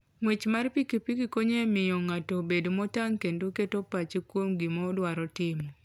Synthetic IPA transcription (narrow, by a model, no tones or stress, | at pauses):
ŋwet͡ʃmarpikipikikoɲemɪjɔŋatɔbedomɔtaŋkendoketopat͡ʃekwomɡimɔdwaɾɔtɪmɔ